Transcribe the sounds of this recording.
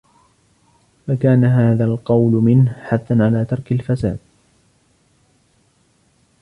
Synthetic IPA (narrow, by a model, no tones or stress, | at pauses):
fakaːnaɦaːðaːlqɑwlmɪnhħaθːanʕalaːt̪ɑɾˤkalfasa̰ːd̪̥̚